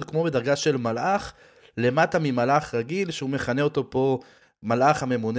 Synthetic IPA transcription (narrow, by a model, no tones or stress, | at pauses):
dkmo̞be̞d̪aʁɡaʃe̞lmalʔaχ | le̞matamimalaχʁaɡilʃeume̞χaneo̞t̪o̞po̞ | malʔaχhame̞mun